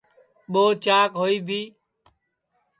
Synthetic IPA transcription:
ɓoːt͡ʃaːkɦoːiːbʱiː

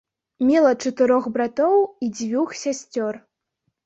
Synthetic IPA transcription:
mʲɛlˠɐt͡ʂɐt̪ɨɾɔɣbɾat̪ɔwid͡zʲvʲuxsʲasʲt͡sʲɔr

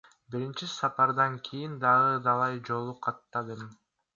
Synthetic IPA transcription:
biɾint͡ʃisɑpɑɾd̪ɑŋkʰijind̪ɑʁɯd̪ɑlˠɑjd͡ʒo̞lˠuqʰɑt̪ːɑd̪ɯm

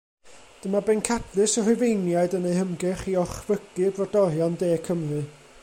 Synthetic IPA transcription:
d̥əmabɛnkʰadlˠɨsɔrʊvejnjajdəneɨhəmɡɨχiɔχvəɡ̥ɨbrɔdɔɾjɔndeːkʰəmrɨ

